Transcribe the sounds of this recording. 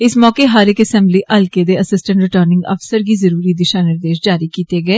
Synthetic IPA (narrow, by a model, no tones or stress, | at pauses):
ɪsmɔːkeːɦaːɾɪkəsɛ̃ːmbliːʔəlkeːd̪eːəsɪsʈə̃ɳʈɾɪʈəɾnɪ̃ŋɡə̰fsəɾɡiːzəɾuːɾiːd̪ɪʃaːnɪɾd̪eːʃd͡ʒaːɾiːkiːt̪eːɡɛeː